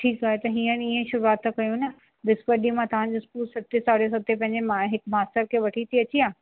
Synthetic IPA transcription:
ʈʰiːkaːɦet̪ɐɦiːə̃niẽʃʊɾuaːt̪ʰːakɐjũnɐ | ʋɪspəɾɗimãt̪ɐʋ̤ãɲd͡ʑoɪskuːlsɐt̪ːesaːɽes̬ɐt̪ːepɐ̃ɦɪ̃ɲd͡ʑemaɦɪkmaːst̪əɾkʰeːʋɐʈʰit̪ʰiɐt͡ɕiaː

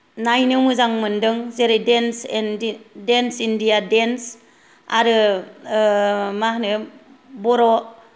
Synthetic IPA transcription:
najnɯmɯzaŋmɯndɯŋzeɾejdensndensindijadens | a̰ɾɯ | mahnɯ | bɔɾɔ

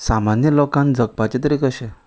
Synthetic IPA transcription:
samanjəlɔkãnd͡zək̚pat͡ɕet̪əɾekəɕe

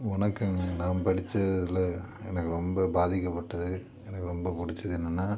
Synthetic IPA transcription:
ɔnɐkːɐmnaːmpɐɽɪt͡ʃːɐðɪlɐ | ɛnɐkːɯɾɔmbɐbaːðɪkːɐpːɐʈːɐðɯ | ɛnɐkːɯɾɔmbɐpʊɽɪt͡ʃːɐðɯɛnːɐnːaː

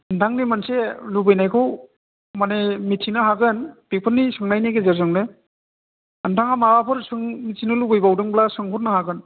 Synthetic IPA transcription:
ɯntʰaŋnimanselubɯjnajkʰɯw | manemitʰinɯɦaɡɯnpik̚pʰɯnːisɯŋnajneɡezeɾzɯŋnɯ | ɯntʰaŋamawapʰɯɾsɯŋmitʰinɯlubɯjbawdɯŋblasɯŋpʰuɾnɯhaɡɯn

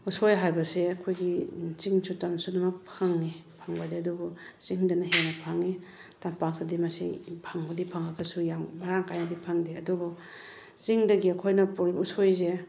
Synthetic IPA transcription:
usojɦajbɐseɐkʰojɡit͡ʃiŋt͡ʃʰutansudɐmɐpʰaŋnipʰaŋbɐdiɐdubɔ | t͡ʃiŋdɐnɐɦenɐpʰaŋːi | tampak̚tadimasḭpʰaŋbɐdipʰaŋaɡɐsujambaɾaŋkajnadipʰaŋdeɐdubɔ | t͡ʃiŋdɐɡiɐkʰojnɐpuɾiusojze

